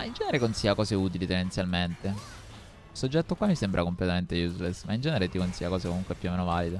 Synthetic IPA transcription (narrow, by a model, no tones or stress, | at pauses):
maind͡ʒɛːneɾekonsijakɔːzeuːt̪ilit̪end̪ent̪sjalment̪e | ilsod͡ʒːɛt̪ːokwamːisembɾʔakomplet̪ament̪ejuzlesmaind͡ʒɛːneɾet̪ikonsijakɔːsekomuŋkwepjuomːeːnovaːlid̪e